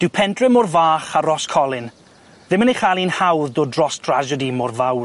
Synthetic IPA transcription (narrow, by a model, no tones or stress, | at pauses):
d̥ɪwpʰɛntʰrɛmorvaːχaɾɔskʰɔlˠɪn | ðɪməneχalˠiːnhawðdoːdrɔstʰrad͡ʒədimorvaw